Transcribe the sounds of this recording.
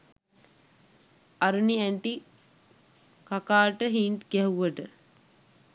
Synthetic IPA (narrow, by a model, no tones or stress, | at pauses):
aɾuniæɳʈi | kakaːʈəɦiːnʈkɛɦuʋəʈə